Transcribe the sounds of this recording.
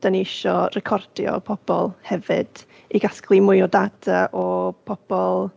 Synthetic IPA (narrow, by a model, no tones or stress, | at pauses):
d̥aniɪʃɔrɛkʰɔrd̥jɔ̰pʰɔb̥ɔ̰lˠhɛvɨ̰d̥ | iɡasklˠimʊɔdad̥aʔɔpʰɔb̥ɔlˠ